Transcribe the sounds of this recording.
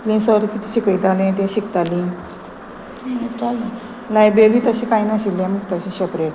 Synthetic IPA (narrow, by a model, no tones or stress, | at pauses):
plẽsəɾkit̪i̥ɕikəid̪al̃t̪ẽɕik̚t̪alĩ | t͡salo | lajbɾeɾiːt̪əɕĩkajnaɕilːɛ̃məɡt̪əɕĩɕəpɾeʈ